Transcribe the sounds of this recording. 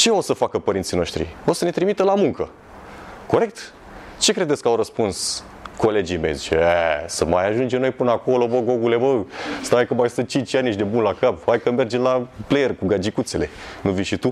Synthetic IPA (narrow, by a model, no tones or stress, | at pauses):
t͡ʃe̞o̞səfakəpəɾintsino̞ʃt̪ɾḭo̞səne̞t̪ɾimit̪əlamuŋkə | ko̞ɾe̞k̚t̪ | t͡ʃe̞kɾe̞d̪et̪sʲkawɾəspuns | ko̞le̞d͡ʒijme̞̰jzit͡ʃḛesəmajaʒund͡ʒemno̞jpɨnəako̞lo̞bəɡoɡule̞bəst̪aekəmajsɨn̚t͡ʃint͡ʃʲaniʃd̪ebunlakaphajkəme̞rd͡ʒemlaplejerkuɡad͡ʒikut̪se̞le̞nuvijʃit̪u